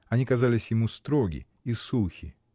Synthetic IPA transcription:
ɐnʲikɐzalʲɪsʲjɪmust̪ɾoɡʲɪ̰ | isuxʲɪ̰

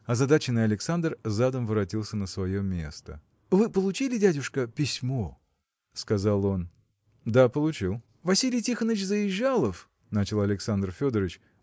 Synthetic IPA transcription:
ɐzɐd̪at͡ɕɪnəɐlʲɪksand̪rzad̪əmvɨɾɐtʲilˠsʲənəsvɐjo̞mʲe̞̰st̪ə̰ | vɨpəlˠʊt͡ɕilʲɪdʲædʲʊʂkəpʲɪsʲmo | skɐzalˠo̞n | d̪apəlˠʊt͡ɕilˠ | vɐsʲilʲɪjtʲixənəvʲt͡ɕzəjɪʑːalˠəf | nat͡ɕɪlˠɐlʲɪksand̪rfʲod̪əɾət͡ɕ

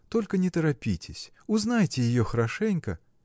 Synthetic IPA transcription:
t̪ɔlʲkɐnʲɛt̪ɐɾapʲitʲɪsʲ | uznajt͡sʲɪjɪjɔxɐɾaʂɛnʲkɐ̰

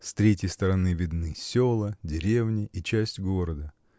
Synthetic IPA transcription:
st̪ɾʲetʲjɪjst̪əɾɐnɨvʲɪd̪nɨsʲolˠədʲɪɾʲe̞vnʲɪʔit͡ɕæsʲtʲɡoɾəd̪ə

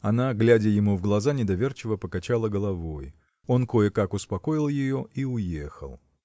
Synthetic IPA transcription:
ɐnaɡlʲædʲɪjɪmuvɡlˠɐzanʲɪd̪ɐvʲe̞rt͡ɕɪvəpəkɐt͡ɕalˠəɡəlˠɐvoj | o̞nko̞jəkakʊspɐko̞jɪlˠjɪjo̞iʊjexə̰lˠ

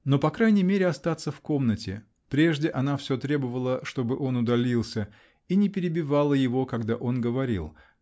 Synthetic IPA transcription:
no̞pɐkɾajnʲɪjmʲeɾʲɪɐst̪at̪səfko̞mnətʲɪ̰ | pɾʲeʐdʲɪʔɐnafsʲot̪ɾʲe̞bəvəlˠəʂt̪o̞bɨʔo̞nʊd̪ɐlʲilˠsʲə | inʲɪpʲɪɾʲɪbʲɪvalˠəjɪvo̞kɐɡd̪aʔo̞nɡəvɐɾʲḭlˠ

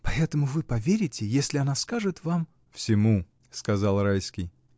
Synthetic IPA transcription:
pɐɛt̪əmʊvɨpɐvʲeɾʲɪtʲɪjesʲlʲɪɐnaskaʐɨt̪vam | fsʲɪmu | skɐzɑlˠrajskʲɪj

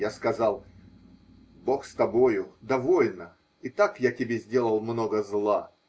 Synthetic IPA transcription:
jaskɐzɑlˠ | bo̞xst̪ɐbo̞jʊd̪ɐvo̞lʲnə | it̪akjatʲɪbʲezʲdʲe̞lˠəlˠmno̞ɡəzlˠa

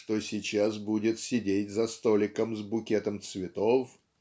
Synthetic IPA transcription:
ʂt̪osʲɪt͡ɕasbudʲɪt̪sʲɪdʲetʲzɐst̪olʲɪkəmzbʊkʲet̪əmt̪svʲɪt̪of

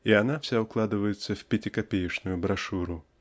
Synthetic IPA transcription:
iɐn̪afsʲaʊklˠad̪ɨvəjɪt̪səfʲpʲɪtʲɪkɐpʲejɪʂnʊjʊbɾɐʂuɾʊ

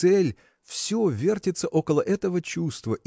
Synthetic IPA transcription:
ɛlʲ | fsʲovʲe̞rtʲɪt̪səʔo̞kəlˠəʔɛt̪əvət͡ɕust̪vəʔ

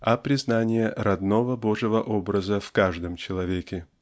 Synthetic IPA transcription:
ɐpɾʲɪznanʲɪjəɾɐd̪novəboʐɨvəʔobɾəzəfkaʐd̪əmt͡ɕɪlˠɐvʲekʲɪ

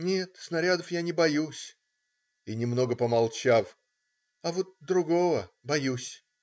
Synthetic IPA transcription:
nʲe̞t̪snɐɾʲad̪əfjanʲɪbɐjusʲ | inʲɪmno̞ɡəpəmɐlˠt͡ɕaf | ɐvot̪̚d̪ɾʊɡo̞vəbɐjusʲ

